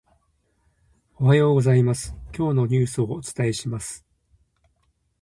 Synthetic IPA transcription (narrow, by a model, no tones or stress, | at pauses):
o̞hajo̞ːɡo̞zaimasɨ̥kʲo̞ːno̞ɲ̟ɨːsɨoːt͡sɨ̥t̪ae̞ɕimasɨ̥